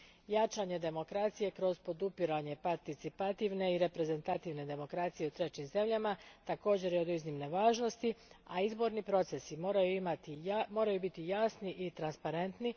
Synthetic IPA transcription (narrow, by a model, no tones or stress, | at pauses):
jat͡ʃaɲe̞d̪e̞mo̞kɾat̪sije̞kɾo̞zpo̞d̪upiɾaɲe̞paɾt̪it̪sipat̪iʋne̞iɾe̞pɾe̞ze̞nt̪at̪iʋne̞d̪e̞mo̞kɾat̪sije̞ut̪ɾe̞t͡ɕimze̞mʎamat̪ako̞ːd͡ʑe̞ɾjeo̞d̪uznimne̞ʋaːʒno̞st̪iaizbo̞ɾnipɾo̞t̪se̞siɾajuimat̪imo̞ːɾajubit̪ijasniʔit̪ɾanspaɾe̞nt̪ni